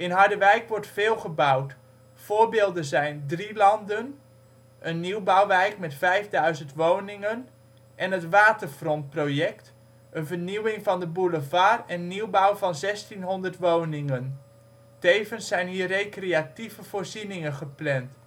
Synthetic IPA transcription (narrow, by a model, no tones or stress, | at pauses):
ɪnɦɑɹdəʋɛjkʋɔɹtfɪːlˠχəbawt | foːɹbɪːlˠdənzɛjndrilɑndən | ʔənːiwbawʋɛjkmɛtfɛjvdœɥzəntʋownɪŋən | ʔɛnətʋaːtərfrɔnt̚projɛkt | ʔənvəɹniwɪŋvɑndəbuləvaːrɛnːiwbawvɑnzɛstinɦɔndərtʋownɪŋən | tejvənsːɛjnɦiːrejkreativəv̥oːɹzinɪŋəχəplɛnt